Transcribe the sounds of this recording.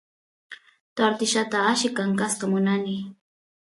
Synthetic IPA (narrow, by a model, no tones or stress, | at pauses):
t̪aɾt̪ɪʃat̪aːʃɪkaŋkasqɑmʊnanɪ